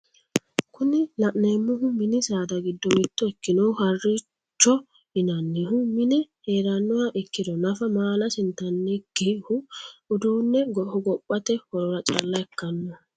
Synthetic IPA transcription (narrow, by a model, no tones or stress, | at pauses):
kʊnɪlɐʔneːmːʊhʊmɪnɪsaːd̪ɐɡɪd̪ːɔmɪt̪ːɔɛkːɪnɔhɐrːi | t͡ʃːɔ | ɪnɐnːɛhʊmɪnɛheːɾɐnːɔwɐʔɛkːɪd̪ɔnɐfɐmaːlɐsɪnt̪ɐnːɛɡ̥ehʊʊd̪uːnːɛɡɔhɔɡɔpʼːɐt̪ɛhɔɾɔɾɐt͡ʃʼɐ̰lːɐɛkːɐnːɔ